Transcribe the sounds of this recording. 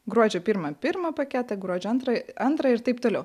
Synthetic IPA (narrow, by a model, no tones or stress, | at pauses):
ɡɾuɔd͡ʒʲoːpʲɪɾmɐpʲɪɾmɐpɐkʲɛt̪ɐɡɾuɔd͡ʒʲɛɐnt̪ɾɐɐnt̪ɾɐɪɾt̪ɐɪpt̪oːlʲɛʊ